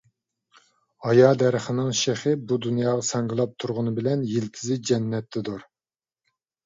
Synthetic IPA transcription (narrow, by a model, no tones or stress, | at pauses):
ɑjɑːd̪ɛɾɪχɪnɨŋʃeχɪbud̪unjɑːʁɑsɑŋɡɨlˠɑp̚t̪ʰuɾʁʊnɨbɪlɛnjilt̪ʰɪzɪd͡ʒɛnːɛt̪ʰːɪd̪ʊɾ